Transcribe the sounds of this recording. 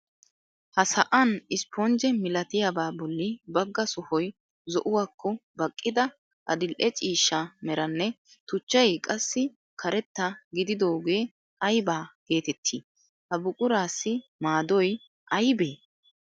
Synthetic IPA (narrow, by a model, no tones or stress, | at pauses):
hɐsɐʔɐnɪspond͡ʒɛmɪlɐt̪ɪjabaːbɔlːɪbɐɡːɐsʊhɔj | zɔʔʊwaːkːɔbɐkʼːɪd̪ɐ | ʔɐ̰d̪ɪlʔɛt͡ʃʼiːʃːamɛɾɐnːɛ | t̪ʊt͡ʃːɐjkʼɐsːɪ | kʰɐɾɛt̪ːɐɡɪd̪ɪd̪o̞ːɡe̞ː | ʔɐjbaːɡ̥e̞ːt̪ɛt̪ʰːḭː | hɐbʊkʼʊɾaːsːɪmaːd̪ɔj | ʔɐjbeː